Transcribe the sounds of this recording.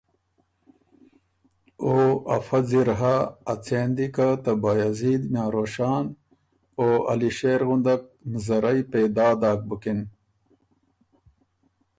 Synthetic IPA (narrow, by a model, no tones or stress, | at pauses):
oːɐ̰fɐd͡ziɾɦaːt͡seːnd̪ikat̪ɐbajaziːd̪mjaːɾoːɕaːn | oːɐ̰liɕeːɾɣund̪ɐk̚nzɐɾɐjpeːd̪aːd̪aːk̚bukin